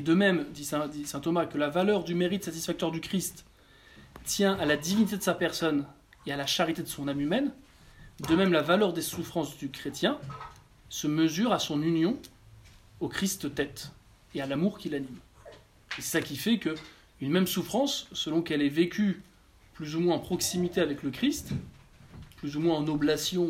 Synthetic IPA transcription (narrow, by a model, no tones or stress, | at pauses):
ed̪əmɛmd̪isɛ̃d̪isɛ̃t̪ɔmakəlavalœʁd̪ymeʁit̪sat̪isfak̚t̪œʁd̪ykχist̪ː | jɛ̃ʔalad̪ivinit̪ed̪əsapɛʁsɔn | ealaʃaʁit̪ed̪əsɔ̃namymɛn | d̪əmɛmlavalœʁd̪esufχɑ̃sd̪ykχet̪jɛ̃ | səməzyʁasɔ̃nynjɔ̃ | okχist̪t̪ɛt̪ | ealamuʁkʲilanim | esakʲifɛkə | ynmɛmsufχɑ̃sːəlɔ̃kɛlɛvekʲʰy | plyzumwɛ̃ɑ̃pχɔksimit̪eavɛkləkχist̪ | plyzumwɛ̃ɑ̃noblasjɔ̃